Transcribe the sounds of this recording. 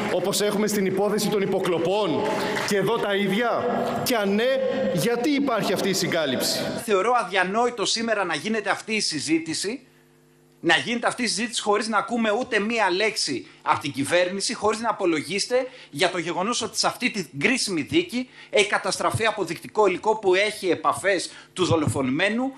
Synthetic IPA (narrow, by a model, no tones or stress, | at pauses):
o̞po̞se̞xume̞st̪inipo̞θe̞sit̪o̞nipo̞klo̞po̞n | ceðo̞t̪ɐiðʝɐ | ceɐnːe̞ʝɐt̪iːpɐɾçiɐft̪iːsiŋɡɐlipsi̥θe̞o̞ɾoɐðʝɐno̞it̪o̞sime̞ɾɐnɐʝine̞t̪eɐft̪iːsizit̪isi | nɐʝinet̪eɐft̪iːsizit̪i̥si̥xo̞ɾiznɐːkume̞ut̪e̞miɐle̞ksiɐpot̪iɟive̞ɾnisixo̞ɾiznɐːpo̞lo̞ʝist̪e̞ | ʝɐt̪o̞ʝe̞ɣo̞no̞so̞t̪i̥sɐft̪it̪iŋɡɾisimiðicie̞çi̥kɐt̪ɐst̪ɾɐfiɐpo̞ðikt̪iko̞iliko̞pue̞çie̞pɐfe̞st̪uðo̞lo̞fo̞nime̞nu